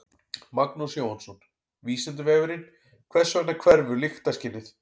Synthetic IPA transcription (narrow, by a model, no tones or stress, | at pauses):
maknusjowansɔn | viːsɪnt̪̬ɪvɛːvɪɾɪn | kʰvɛ̥svɛt̪nakʰvɛɾvʏlɪxt̪ascɪnːɪθ